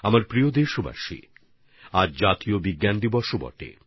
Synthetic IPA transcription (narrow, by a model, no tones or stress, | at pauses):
amaɾpɾiod̪eɾʃoba̰ʃḭ | aɾd͡ʑat̪iobiɡːand̪ibɔʃobɔ̰ʈḛ